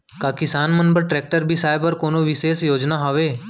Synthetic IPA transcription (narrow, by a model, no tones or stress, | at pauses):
kaːkɪsaːnmənbəɾʈɾɛːk̚ʈəɾbʱisaːjbəɾkoːnoʋɪseːsjoːd͡ʒnaɦɔʋeː